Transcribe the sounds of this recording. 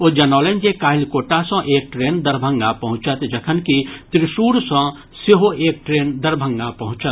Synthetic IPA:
od͡ʒɐnɔːlẽnd͡ʒekaːɦɪlkoːʈasə̃ʔeːk̚ʈɾeːnd̪əɾbʱə̃ŋɡapɐɦʊ̃t͡ʃət̪d͡ʒəkʰənkit̪ɾɪʃuːɾsə̃ | seɦoeːk̚ʈɾeːnd̪əɾbʱə̃ŋɡapɐɦʊ̃t͡ʃət̪

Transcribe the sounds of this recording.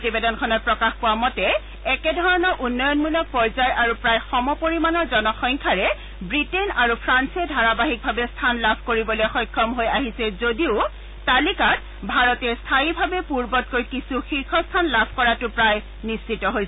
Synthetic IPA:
potibedɔnkʰɔnɔt̚pɹɔkaxpowamɔtɛ | ɛkɛdʱɔɹɔnɔʔunːɔjɔnmulɔk̚pɔɹzajʔaɹupɹajxɔmɔpoɹimanɔɹzɔnɔxɔŋkʰaɹɛ | bɹitenaɹupʰɹansɛdʱaɹabaɦik̚bʱabɛstʰanlabʱkoɹibɔlojxɔjkʰːɔmɦojaɦisɛzodiʊ | talikat̚ | bʱaɹɔtɛstʰaibʱabɛpuɹbɔt̚kojkisuxiɹkʰɔstʰanlabʱkɔɹatʊpɹaj | nist͡ʃitɔɦojsɛ

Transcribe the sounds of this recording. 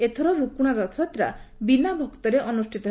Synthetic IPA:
et̪ʰɔɾɔɾukuɽ̃aɾɔt̪ʰɔt̪ɾa̰binabʱɔkt̪ɔɾeʔɔnusʈʰit̪ɔ

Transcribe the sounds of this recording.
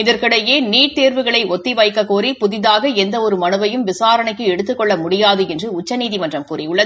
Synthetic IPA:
ɪðɐɾkɐɽɐjeːniːʈ̚t̪eːɾʋɯɣɐɭɐɪʔɔt̪ːɪʋɐjkːɐkːuːɾipʊðɪðaːɣɐɛnd̪ɐɔɾɯmɐnɯʋɐjɯmʋɪsaːɾɐɳɐɪkːɯɛɽɯt̪ːɯkːɔɭːɐmʊɽɪjaːðɯɛndrɯʊt͡ʃːɐniːðimɐndrɐmkuːrɪjɯɭːɐðɯ

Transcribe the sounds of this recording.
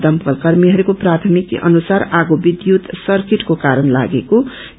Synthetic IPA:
d̪ʌmpʌlkʌrmiɦʌɾukoprat̪ʰʌmikʔʌ̰nusaɾaɡobid̪jut̪sʌrkiʈkokaɾʌnla̰ɡeko

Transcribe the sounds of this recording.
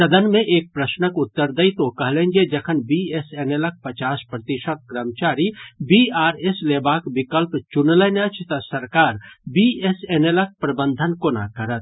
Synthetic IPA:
sɐd̪ənmẽʔeːk̚pɾəʃnəkʊt̪ːəɾd̪əit̪okɐɦlẽːnd͡ʒed͡ʒɐkʰənbiesenelək̚pɐt͡ʃaːspɾət̪ɪʃət̪̚ɡɾəmt͡ʃaːɾibiaːɾesleːbaːkbɪkəlpt͡ʃʊnlənat͡ʃʰt̪ɐsɐɾkaːɾbiesenelək̚pɾɐbə̃nd̪ʱənkona̰kɐɾət̪̚

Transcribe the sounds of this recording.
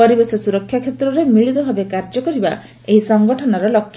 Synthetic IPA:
ɔɾibesɔsuɾɔkʰːjakʰjet̪ɾɔɾemiɭit̪ɔbʱabekaɾd͡ʒɔkɔɾiba | eɦisɔŋɡɔʈʰɔnɔɾɔlɔkʰːj

